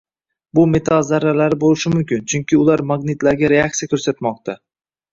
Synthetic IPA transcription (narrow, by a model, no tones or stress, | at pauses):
bʊme̞t̪ʰalˠzaɾːalaɾɪbolɪʃɪmʊmkʲɪnt͡ʃʰʊŋkʲɪʊlaɾmaɡnɪt̪laɾɡʲaɾe̞ak̚sijakʰʲɵɾsat̪mɒq̚t̪ʰa